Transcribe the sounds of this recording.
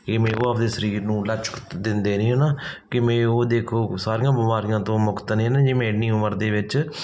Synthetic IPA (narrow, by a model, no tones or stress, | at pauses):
eːmẽːoːəpd̪eːsəɾiːɾnũːlət͡ʃə̥kd̪ɪnd̪eːnĩːɦeːnaːkɪmɛ̃ːoːd̪eːkʰoːsaːɾɪːjãːbɪmaːɾijãːt̪õːmʊkt̪nĩːɦːnãːd͡ʒeːmẽːɖniːʊməɾd̪eːʋɪt͡ʃ